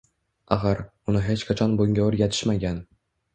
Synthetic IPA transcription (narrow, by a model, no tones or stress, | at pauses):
a̰χaɾʊnɪɦet͡ʃkʰat͡ʃʰɒnboŋɡʲaʊɾjat̪ʰɪ̥ʃmaɡʲan